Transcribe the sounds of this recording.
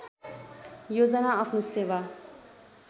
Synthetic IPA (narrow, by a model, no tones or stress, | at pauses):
jod͡zʌnaapʰnoseːʋa